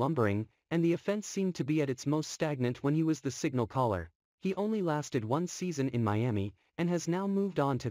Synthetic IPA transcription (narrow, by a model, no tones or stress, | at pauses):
ʌ̃mbə˞ɪ̃ŋ | ɨ̃nðiɨfɛ̃nsĩmtʰɨbiɨɾɨtsmoʊststæɡ̚nɨ̃nʔwə̃niwʌzðɨsɪɡ̚nl̩ˠkʰɑlˠə̰˞ | iʔõʊ̃nlilæstɨd̚wʌ̃nsizɨ̃nɨ̰̃nmaɪæmi | ɨ̃nɨznaʊmuvdn̩tʰɨ